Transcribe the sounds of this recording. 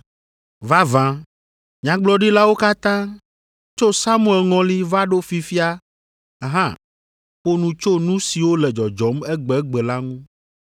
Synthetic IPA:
va˦vã˨ | ɲã˨ɡ͡blɔ˦ɖi˦la˦wo˦ka˦t̪ã˦ | t͡ʃo˦sa˦mũ˦˨ɛ˨lŋɔ̃˨li˦va˦ɖo˦fi˨fi˦a˦ | ɦã̰˦˨ | ɸo˦nũ˦t͡ʃo˦nũ˦si˨wo˦lɛ˨d͡ʒɔ˨d͡ʒɔ˨mɛ˦ɡ͡bɛ˨˦ɡ͡bɛ˨la˦ŋũ˦

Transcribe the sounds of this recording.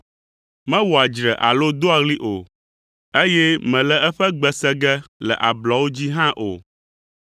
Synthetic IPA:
mɛ̃˦wɔ˨a˨d͡ʒɾɛ˨ʔa̰˨lo˦d̪o˦a˨ɣli˦ʔo˨ | e˦jɛ˦mɛ̃˨lɛ˨ɛ˦ɸɛ˦ɡ͡bɛ˨sɛ˦ɡɛ˦lɛ̰˨ʔa˨blɔ˨wo˦d͡ʑi˦ɦã˦ʔo̰˨

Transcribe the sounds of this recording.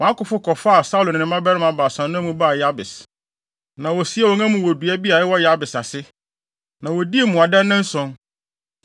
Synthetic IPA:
wɔ̃˨a˦kʊ˨fʊ˦kʰɔ˨fa˦a˨sa˦u˦lʊ˨nɪ̃˨nɪ̃˨mã˦bɛ˦ɾɪ˦mã˨ba˨sã˨nːʊ̃˦mũ˦ba˦˨ja˦bɪ˨s | nã˨wɔ˨si˦a˦wɔ˨ŋã˦mʊ̃˨wɔ˨du˨æ˦bi˦a˨ɪ˦wɔ˦ja˦bɪ˨sa˨sɪ˦ | nã˨wɔ˨di˦e˨mũ˨a˨dã˦nːɪ̃˦n̩˦sɔ̃˨˦n

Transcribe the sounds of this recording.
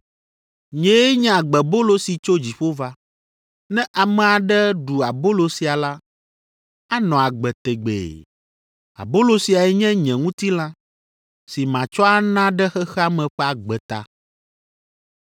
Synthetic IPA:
ɲɛ̃˨˦ɲɛ̃˦˨a˨ɡ͡bɛ˨bo˦lo˦si˨t͡ʃo˦d͡ʑi˨ɸo˦va˦ | nɛ̃˦ʔa˨mɛ̃˨a˨ɖɛ˦ɖu˨a˨bo˦lo˨si˨a˨la˦ | a˦nɔ̃˨a˨ɡ͡bɛ˨t̪ɛ˨ɡ͡bḛ˨ | a̰˨bo˦lo˨si˨a˨ɛ˨ɲɛ̃˦ɲɛ̃˨ŋũ˦t̪i˦lã˦ | si˨mã˨t͡ʃɔ˦a˦nã˦ɖɛ˦xɛ˦xɛ˦a˦mɛ̃˨ɸɛ˦a˨ɡ͡bɛ˨t̪a̰˦

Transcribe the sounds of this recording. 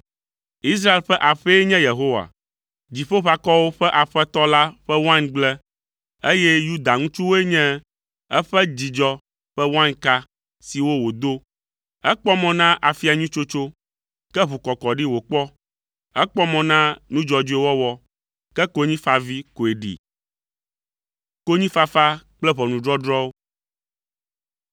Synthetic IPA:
i˦s̬ɾa˦e˨lɸɛ˦ʔa˨ɸɛ˦ɲɛ̃˦je˨ɦo˦wa̰˨ | d͡ʑi˨ɸo˦ɸa˨kɔ˦wo˦ɸɛ˦ʔa˨ɸɛ˦t̪ɔ˦la˦ɸɛ˦wã˦nɡ͡blɛ˦ | e˦jɛ˦ju˦d̪a˨ŋũ˦t͡ʃu˦wo˦e˦ɲɛ̃˦ | ɛ˦ɸɛ˦d͡ʑi˨d͡ʒɔ˦ | ɸɛ˦wã˦nka˦ | si˨wo˦wo˨d̪o˦ | ɛ˦k͡pɔ˦mɔ̃˨nã˦ʔa˨fi˦a˨ɲũ˦t͡ʃo˦t͡ʃo˦ | kɛ˦βu˨kɔ˨kɔ˨ɖi˦wo˨k͡pɔ˦ | ɛ˦k͡pɔ˦mɔ̃˨nã˦nũ˦d͡ʒɔ˨d͡ʒu˦e˦wɔ˦wɔ˦ | kɛ˦ko˦ɲĩ˦fa˨vi˦ko˨e˨ɖḭ˨ | ko˦ɲĩ˦fa˦fa˦k͡plɛ˦βɔ˨nũ˨ɖɾɔ˦ɖɾɔ˦wo˦

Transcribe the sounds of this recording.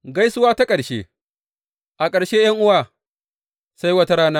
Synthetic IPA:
ɡa˦jsʊ˦waː˦ta˦kʼɐ˨ɽʃḛː˦ | ʔa˨kʼɐ˨ɽʃeː˦jɐ˦ŋʔʊ˦waː˦˨ | sa˦jwɐ˦ta˦ɾaː˦naː˦

